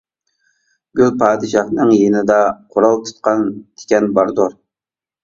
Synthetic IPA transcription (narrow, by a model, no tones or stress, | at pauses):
ɡʲølpʰɑːd̪ɪʃɑhnɨŋjenɪd̪ɛqʰʊɾɑlˠt̪ʰʊ̥t̪̚qʰɑnt̪ʰɪ̥kʲɛnbɑɾd̪oɾ